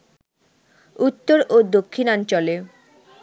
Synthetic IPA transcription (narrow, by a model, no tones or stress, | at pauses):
ut̪ːoɾod̪okʰːinɔnt͡ɕɔle